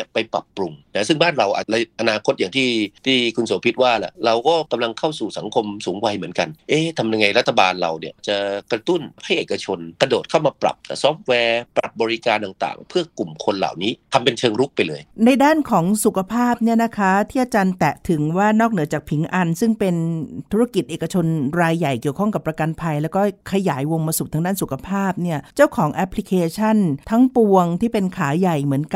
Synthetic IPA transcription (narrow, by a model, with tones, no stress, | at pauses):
ni˥˩ɐpa˧jpɾa̰˨˩pːɾu˧mna˦˥sɯ˥˩ŋbaː˥˩nɾa˧wʔa̰ː˨˩t̪̚la˧ʔa˧naː˧kʰo˦˥t̪̚jaː˨˩ŋt̪ʰiː˥˩t̪ʰiː˥˩kʰu˧nsoː˨˦pʰi˦˥t̪̚waː˥˩la̰˨˩ɾa˧wkɔː˥˩ka˧mla˧ŋkʰa˥˩wsuː˨˩sa˩˦ŋkʰo˧msuː˩˦ŋwa˧jmɯ˩˦ənka˧nʔeː˦˥˩t̪ʰa˧mja˧ŋa˧jɾa˦˥t̪ʰːa˧baː˧nɾa˧wni˥˩ɐʔaː˨˩t͡ɕa˨˩kɾa˧t̪u˥˩nha˥˩jʔeː˨˩kːa˧t͡ɕʰo˧nkɾa˧doː˨˩t̪̚kʰa˥˩wmaː˧pɾa̰˨˩p̚ːsɔː˦˥f̚t̪̚wɛː˧pɾa̰˨˩p̚bɔː˧ɾi˦˥kaː˧nt̪a˨˩ŋt̪a̰ː˨˩ŋpʰɯ˥˩ɐku˨˩mkʰo˧nla̰ː˨˩wniː˦˥t̪ʰa˧mpe˧nt͡ɕʰɤː˧ŋɾu˦˥k̚pa˧jlɤː˧jna˧jdaː˥˩nkʰɔː˩˦ŋsu˨˩kʰa˧pʰaː˥˩p̚ni˥˩ɐna˦˥kʰa˦˥t̪ʰiː˥˩ʔa˧t͡ɕaː˧nt̪ɛ˨˩ʔt̪ʰɯ˩˦ŋwaː˥˩nɔː˥˩k̚nɯ˩˦ɐt͡ɕaː˨˩k̚pʰi˩˦ŋʔa˧nsɯ˥˩ŋpe˧nt̪ʰu˦˥ɾa˦˥˩ki˨˩t̪̚ʔeː˨˩ka˧t͡ɕʰo˧nɾaː˧jːa˨˩jki˨˩əwkʰɔ˥˩ŋka˨˩pːɾa˧ka˧npʰa˧jlɛ˦˥wkɔː˥˩kʰa˧jaː˩˦jwo˧mmaː˧su˨˩pt̪ʰa˦˥ŋdaː˥˩nsu˨˩kʰa˧pʰaː˥˩p̚ni˥˩ɐt͡ɕa˥˩wkʰɔː˩˦ŋʔɛ˦˥pʰli˧˥kʰeː˧t͡ɕʰa˥˩nt̪ʰa˦˥ŋpu˧əŋt̪ʰiː˥˩pe˧nkʰaː˩˦ja˨˩jmɯ˩˦ənka˩